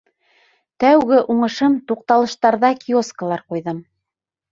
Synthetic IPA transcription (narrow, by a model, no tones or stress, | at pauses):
t̪æwɡɘʔuɴɤ̆ʃɤmt̪uq̚t̪ɑlˠɤ̆ʃt̪ɑɾðɑkʲioskəlˠɑɾqujðɤm